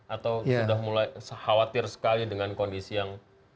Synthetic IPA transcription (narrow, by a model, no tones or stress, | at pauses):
ʔat̪awsudahmulajsəhawat̪ɪrsə̥kalidəŋankondisijaŋ